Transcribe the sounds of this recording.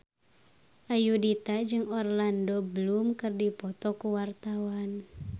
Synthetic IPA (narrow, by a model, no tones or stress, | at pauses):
ʔajudit̪ad͡ʒɨŋɔrlandɔbəlumkɨrdipɔt̪ɔkuwart̪awan